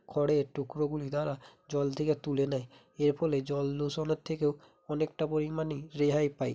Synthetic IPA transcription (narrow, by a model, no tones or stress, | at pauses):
kʰɔɽetukɹɔɡulid̪aɹad͡ʒɔlt̪ʰeket̪ulɛnaj | eɹpʰɔled͡ʒɔlːusɔnɔt̪ʰːekeʊ | ɔnek̚tapoɹimaniɹeɦajpaj